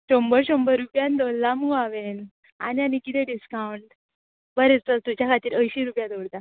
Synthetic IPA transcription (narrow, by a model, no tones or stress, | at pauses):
ɕombəɾɕombəɾːupjãnd̪oɽd̪amuaʋen | a̰nianikit̪ʰeɖiskawɳʈ | bəɾet͡stəlt̪ut͡ɕjakʰat̪iːɾʔəjɕiɾupjãd̪oɭd̪a